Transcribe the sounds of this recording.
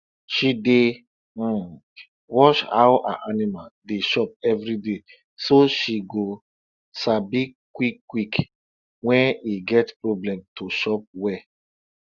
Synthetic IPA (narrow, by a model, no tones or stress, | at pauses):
ʃide | wɔʃha̰wʔa̰ʔanimaldeʃɔp̚ɛvɾide | soʃiɡo | sabikwikːwik | wɛ̃niɡɛtpɹoblɛ̃mtoʃɔp̚wɛ